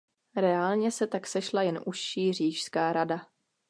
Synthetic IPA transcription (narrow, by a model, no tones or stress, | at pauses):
ɾɛaːlɲɛsɛt̪aksɛʃlajɛnʔusʃiːr̝iːʃskaːɾada